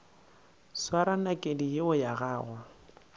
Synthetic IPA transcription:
swaɾanakʼedijɪʊjaɣaːɣwa

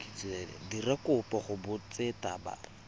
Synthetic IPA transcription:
t͡selɪ̰dirakʊpaχʊbʊt͡setaba̰

